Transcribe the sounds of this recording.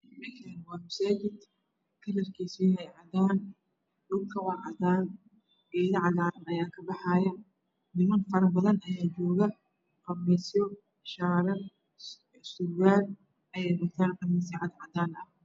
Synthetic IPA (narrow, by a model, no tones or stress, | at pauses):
mɐkʰɛnwɑːmɐsaːt͡ʃɪd̪ | kʰɐlɐrkʰiːsiːhɛjʕɑd̪aːn | ɖʊbkʰɐwɑʕɑðaːn | biːðɐʕɑðaːnɐjaːkʰɐbɑħɑːjɐ | nɪmɐnfɐɾɐbɐðɐnɐjaːt͡ʃɔːɣɐ | rɐmɛjsɔ | ʃaːɾɐ | sʊɣaːl | ɐjɛjrɐɡ̚t̪ʰaːnqɑmisiʕɑd̪ʕɑd̪aːnɐh